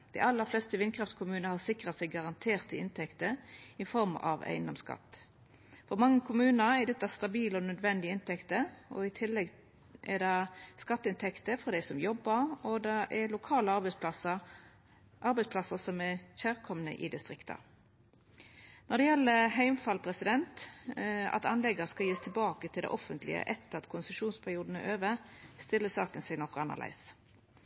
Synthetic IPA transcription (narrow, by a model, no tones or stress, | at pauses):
d̪̥æɪɑlːəɾflɛst̪əʋɪnkʰɾɑft̪kʰʊmʉːnəhɑsɪkʁət̪sæɪɡɑʁɑnt̪ʰeːʁt̪ʰɪɪnt̪ʰɛkt̪əɪfɔɾmɑ̰ʋæ̰ɪnɔmskɑ̰t̪ː | fɔɾmɑŋːəkʰʊmʉːnəɛd̪ɛt̪ːɑst̪ɑbiːlɔnœd̪ʋɛnd̪ɪɪnt̪ɛkt̪əɔ̰ɪt̪ʰɪlːɛɡ | ʔɛ̰d̪ɑskɑt̪ːɪnt̪ʰɛkt̪əfɔʁd̪æɪsɔmjɔbːəɾɔd̪ɑʔɛɾlʊkʰɑːləɑbɛɑ | ʔɑɾbɛɪspʰlɑsəsɔmɛçæːʁkʰɔmnə̰ʔɪ̰d̪ɪst̪ʁɪkt̪ʰɑ̰ | nɔd̪ɛjɛlːəɦæɪmfɑlpʰʁɛsɪd̪ɛnt̪ | ɑ̰t̪ɑ̰nlɛɡəskɑjiːəst̪ʰɪlbɑːkət̪ʰɪlɛ̰ʔɔfənt̪lɪ̰ə̰ʔɛt̪ːəʁɑt̪kʰʊnsəʂuːnspʰæʁjuːd̪n̩æɾøːʋəst̪ɪlːəsɑːkənsɛɡnɔkːʊɑnːə̰læ̰ɪs